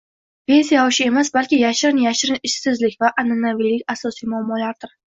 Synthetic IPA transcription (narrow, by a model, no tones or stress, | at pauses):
ve̞nsijaɒʃɪe̞masbalkʲɪjaʃɪɾɪnjaʃɪɾɪnɪʃsɪzlɪkʲvaʔananavilːɪkʲasɒsijmʊamːɒlaɾd̪ɪɾ